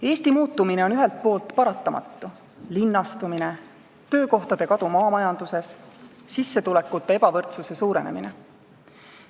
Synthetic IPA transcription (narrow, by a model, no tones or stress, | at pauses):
e̞ːst̪imuːt̪ːˑumine̞o̞nyɦɛlt̪̚po̞ːlt̪ˑpɑɾɑt̪ːˑɑmɑ̰t̪ːu | linːɑst̪umine | t̪ø̞ːko̞ht̪ɑd̪̥e̞kɑd̪̥umɑːmɑjɑnd̪̥use̞s | sisːe̞t̪ule̞kːˑut̪ːˑe̞e̞bɑvɤrt̪suse̞suːɾene̞̰mḭnḛ